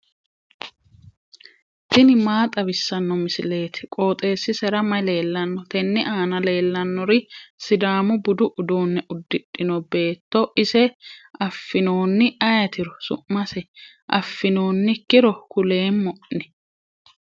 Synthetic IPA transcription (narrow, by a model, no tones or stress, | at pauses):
t̪ɪnɪmaːt̪ʼɐbɪsːɐnːɔmɪsɪle̞ːt̪ɛ̥kʼo̞ːt̪ʼe̞ːsːɪsɛɾɐmɐjle̞ːlːɐnːɔt̪ɛnːɪʔaːnɐle̞ːlːɐnːɔɾɪsɪd̪aːmʊbʊd̪ʊʔʊd̪oːnːɛʔʊd̪ːɪᶑɪnɔbe̞ːt̪ːɔʔɪsɛɐfːɪno̞ːnːɪɐjɐt̪ɪɾɔsʊ̰ʔmɐsɛ | ʔɐfːɪno̞ːnːɪkːɪɾɔkʊle̞ːnmɔʔnɛ̥